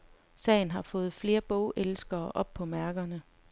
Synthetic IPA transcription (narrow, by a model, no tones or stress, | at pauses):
sɛ̰ːɪn̩ɦɑ̈fɔ̽ːð̩ˠfle̝ːɐb̥ɔʊʔelsɡ̥ɐːʔɒ̽b̥̚pʰɒ̽mæɐɡ̥ɐnə